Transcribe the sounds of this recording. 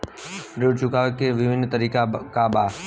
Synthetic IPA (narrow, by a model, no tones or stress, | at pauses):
ɾʊɽt͡ʃʊkaːʋekeʋɪʋɪnt̪əɾiːkakabaː